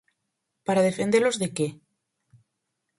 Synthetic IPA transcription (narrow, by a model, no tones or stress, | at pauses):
paɾað̞efend̪elozðeke